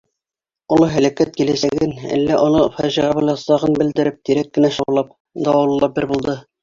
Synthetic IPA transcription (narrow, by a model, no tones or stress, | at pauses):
ŏlˠɤɦælækæt̪̚kilæsæɡɘnæ̰lːæʔŏnɤfæʒiʁɑbɤjlˠɑsɑʁɤnbɘ̆ld̪ɘ̆ɾɘp̚t̪iɾækːɘ̆næʃɑlˠɑp̚ | d̪ɑwɑlˠɤlˠɑp̚bɘɾbulˠd̪ɤ